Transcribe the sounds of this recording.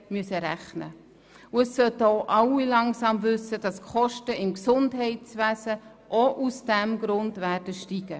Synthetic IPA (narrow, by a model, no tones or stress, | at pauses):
myəsəɾæχnə̰ | ʊəsːœtoʔɑwilɑŋsɑmvʏsːəd̥ɑskχɔʃtəɪmksʊndɦɛɪtt͡svæːsə | ʔoʔusd̥ɛmɡɾʊndværdəʃtiɡ̥ə